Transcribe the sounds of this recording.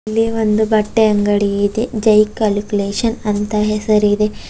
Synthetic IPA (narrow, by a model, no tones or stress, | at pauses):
lːiʋond̪ubɐʈːeɐŋɡɐɽiid̪ed͡ʒɐjkːaːlkʲuleːʂɐnɐnt̪ɐɦesɐɾid̪e